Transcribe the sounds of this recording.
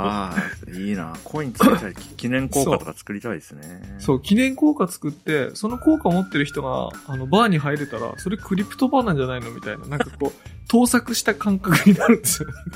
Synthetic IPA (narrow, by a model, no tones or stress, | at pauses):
aːiːna̰ːkʰoiɲt͡sɨt̪aikʲinẽ̞ŋko̞ːkokat̪o̞kat͡sɨ̥kɯ̟ɾʲit̪aid̪esɨneso̞ːkʲinẽ̞ŋko̞ːkat͡sɨ̥kɯ̟t̪ːe̞so̞no̞ko̞ːkaomo̞t̪ːe̞ɾɯ̟çi̥t̪o̞ɡa̰ːno̞baːɲ̟iɦaiɾɯt̪aɾa̰so̞ɾe̞kɯ̟ɾʲipɯ̥t̪o̞baːnãɲ̟d͡ʑanaino̞mʲit̪aina̰nãŋkako̞ː | t̪o̞ːsakɯ̟ɕi̥t̪akãŋkakɯ̟ɲ̟inaɾɯ̟̃nd̪e̞sɨijo̞ne